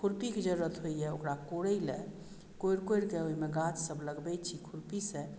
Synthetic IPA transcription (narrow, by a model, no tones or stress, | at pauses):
kʰuɾpiked͡ʒəɾuɾət̪ɦojjɛokɾakoɽəjlḛ | koiɾkoiɾkeoimeɡat͡ʃsəbʱləɡbɛt͡ʃʰikʰuɾpisẽ